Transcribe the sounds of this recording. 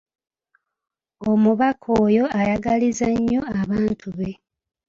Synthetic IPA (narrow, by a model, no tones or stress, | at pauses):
omuβakʰoːjo̞ajaɡalizaɲːo̞aβaːntʰuβe̞